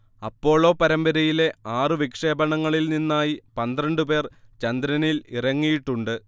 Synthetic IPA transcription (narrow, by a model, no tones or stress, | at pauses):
ɐpːo̞ːɭo̞ːpɐɾɐmbɐɾɐjile̞aːrɨʋikʂe̞ːbɐɳɐŋːɐɭilninːaːjipɐnd̪rɐɳɖupe̞ːrt͡ɕɐnd̪ɾɐnilirɐŋːijiʈːuɳɖɨ